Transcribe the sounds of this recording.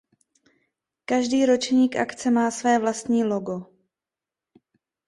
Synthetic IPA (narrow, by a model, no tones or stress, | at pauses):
kaʒdiːɾo̞t͡ʃɲiːkʔa̰kt͡sɛmaːsvɛːvlast̪ɲiːlo̞ɡo̞